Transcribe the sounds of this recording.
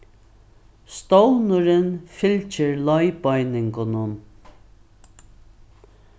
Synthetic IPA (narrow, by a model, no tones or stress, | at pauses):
st̪ɔwlnʊɾɪnfɪlt͡ʃɪɹlɔjbɔjnɪŋkʊnʊn